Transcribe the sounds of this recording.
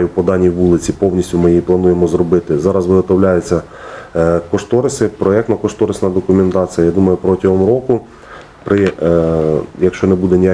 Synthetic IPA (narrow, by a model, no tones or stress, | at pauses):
jʊpɔd̪ɑnʲiʋulˠɪt͡sʲipɔwnʲisʲtʲʊmɪjijiplˠɐnujemɔzɾɔbɪt̪ɪzɑɾɐzʋɪɦɔt̪ɔwlʲajʊt͡sʲːɐ | kɔʃt̪ɔɾɪsʲɪpɾɔɛkt̪nɐkɔʃt̪ɔɾɪsʲnɐd̪ɔkʊmʲent̪ɑt͡sʲijɐjad̪umɐjʊpɾɔtʲɐɦɔmɾɔkʊ | pɾɪ | jɐkʃt͡ʃɔnɛbud̪ɛnʲija